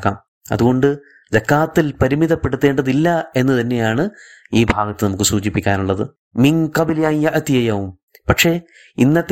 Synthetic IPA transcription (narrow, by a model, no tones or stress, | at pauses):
kːa̰ːm | ɐ̰ðuɣo̞ɳɖɨ | zɐkːaːt̪ːilpɐɾimiðɐpːe̞ɽut̪ːe̞ːɳɖɐðilːɐe̞nːɨt̪ɐnːe̞jaːɳɨ | iːbʱaːɡɐt̪ːɨnɐmukːɨsuːt͡ɕipːikʲːaːnuɭːɐðɨ̰ | miŋqɐbliɐjjɐʔt̪ijɐjɐwum | pɐkʂe̞ː | inːɐt̪ː